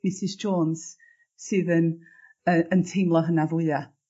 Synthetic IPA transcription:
mɪsɪsd͡ʒoːnz̥ | sɨːðən | əəntʰɪmlˠɔɦənavʊa

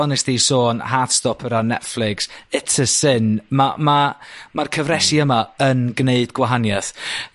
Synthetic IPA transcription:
ɔnɛsd̥isoːnhadstɔpʰəɾanɛtflˠɪksɪtʰəsɪnmamamarkʰəvrɛsiəmaənɡneɨdɡwaɦanjaθ

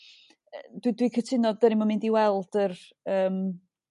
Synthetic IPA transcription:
əd̥widwikʰətʰɪnɔd̚dəɾɪmɔmɪndiwɛlˠd̥ər | əːm

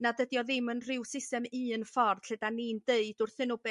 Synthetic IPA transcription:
nadədjɔðɪmənrɪwsɪstɛmiːənfɔrd̥ɬədanindeɨd̥ʊrθɪnʊbɛ

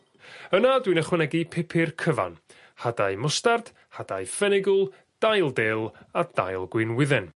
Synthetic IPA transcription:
ənadwinəχwɛnɛɡipʰɛpʰɪrkʰəva̰n | hadajmʊstard̥ | had̥ajfɛnɪɡʊlˠ | d̥ajlˠdeːlˠad̥a̰jlˠɡwɨnwɪðɛn

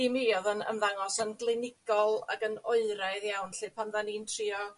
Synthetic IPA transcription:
imiɔðənə̰mðaŋɔsənɡlˠɪnɪɡ̥ɔlˠa̰ɡənoɨɾajðjawnɬɨpʰanðaniːntʰriɔ

